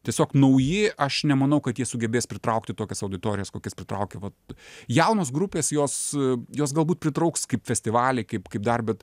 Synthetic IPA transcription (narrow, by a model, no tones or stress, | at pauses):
tʲiɛsʲoːknɐʊjɪʔɐʃnʲɛmɐnɐʊkɐt̪jiɛsʊɡʲɛbʲeːspʲɾʲɪt̪ɾɐʊkt̪ʲɪt̪oːkʲɛsɐʊd̪ʲɪt̪oːɾʲɪjɛskoːkʲɛspʲɾʲɪt̪ɾɐʊkʲɛʋɐt̪jɛʊnoːsɡɾʊpʲeːsjoːsjoːs̬ɡɐlˠbuːt̪̚pʲɾʲɪt̪ɾɐʊkskɐɪpfʲɛsʲtʲɪʋɑːlʲɛɪkɐɪpkɐɪp̚d̪ɐrbʲɛt̪